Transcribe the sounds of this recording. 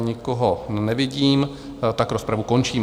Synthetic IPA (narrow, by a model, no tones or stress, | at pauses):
ɲɪkoɦonɛvɪɟiːm | t̪akɾospɾavukont͡ʃiːm